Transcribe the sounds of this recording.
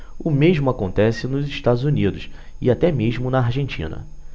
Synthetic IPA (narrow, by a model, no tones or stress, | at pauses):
ʊmeʒmʊakõnt̪ɛsɪnʊzɪʃt̪ad̪ʊzunid̪ʊs | ɪat̪ɛmeʒmʊnɐːɾʒẽnt͡ʃḭ̃nɐ̰